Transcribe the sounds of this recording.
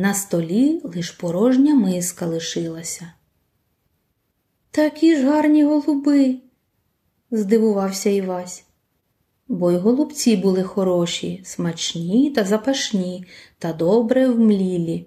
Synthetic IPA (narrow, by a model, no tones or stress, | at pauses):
nɐst̪ɔlʲilˠɪʃpɔɾɔʒnʲɐmɪskɐlˠɪʃɪlˠɐsʲɐ | t̪ɐɐkʲiʒɦɑrnʲiɦɔlˠʊbɪ | zd̪ɪʋʊʋɑwsʲɐiʋɑsʲ | bɔjɦɔlˠʊbt͡sʲibʊlˠɪxɔɾɔʃʲḭsmɐt͡ʃnʲit̪ɐzɐpɐʃnʲit̪ɐd̪ɔbɾɛwmlʲilʲi